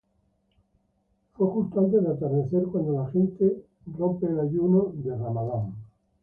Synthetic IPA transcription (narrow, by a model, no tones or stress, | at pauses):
fwekust̪ant̪̬eðeat̪eɾðeθeɾkwand̪olaxent̪e | ro̞mpeːlaʝunoðeramaðaŋ